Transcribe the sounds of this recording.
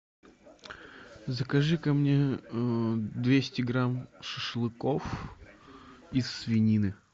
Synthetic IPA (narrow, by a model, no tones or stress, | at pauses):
zəkɐʐɨkɐmnʲe | d̪vʲesʲtʲɪɡɾamʂɨʂɨlˠɨko̞f | ɪsːvʲɪnʲinɨ